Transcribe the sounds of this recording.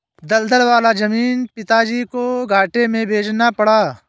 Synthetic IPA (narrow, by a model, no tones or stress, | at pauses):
d̪ɐld̪əɾʋaːlad͡ʒɐmiːnpɪt̪ad͡ʒiːkoɡʱaːʈemẽbʱeːd͡ʒnapɐɽaː